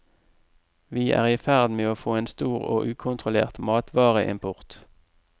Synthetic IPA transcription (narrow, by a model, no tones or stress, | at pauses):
ʋiːʔæ̰ːʁiːfæʁd̪meːoːfoːeːnst̪uːʁo̰ːʔʉːkʰʊnt̪ʁʊlḛːʁt̪mɑːt̪ʰʋɑːʁəʔɪ̰mpʰʊʁt̪